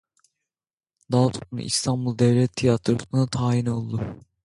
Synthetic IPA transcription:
d̪ɑlˠt̪ʰun̰ʔḭst̪ʰɑnbulˠd̪ɛvlʲɛt̪ʰːijɑt̪ʰɾuunat̪ʰɑːinolˠːd̪u

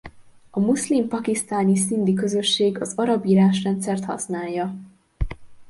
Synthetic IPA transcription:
ɒmuslimpɒkist̪aːnisind̪ikø̞zø̞ʃːeːɡɒzɒɾɒbiːɾaːʃrɛnt̪sɛrt̪hɒ̰snaːjːɒ

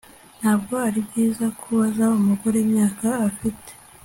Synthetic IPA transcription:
n̥haːb̚ɡo̞aɾibɟiːzakʰuβazaumuɡoɾemɲaːkaːfite̥

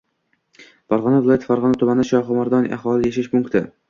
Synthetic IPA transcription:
bɑɾʁɑnavɪlˠɒjat̪ʰfaɾʁɒnat̪ʰʊmanʃɒχʊmaɾd̪ɒnʔa̰χɒːlˠɪjeʃɪʃpʊŋkt̪ʰɪ

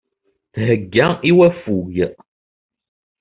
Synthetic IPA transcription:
θɦəɡːæiwæfujəʔ

